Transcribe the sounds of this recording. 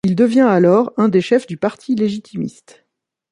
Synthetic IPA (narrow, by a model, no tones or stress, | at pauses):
ild̪əvjɛ̃alɔʁɛ̃d̪eʃɛfd̪ypaʁt̪ʰileʒit̪ʰimḭst̪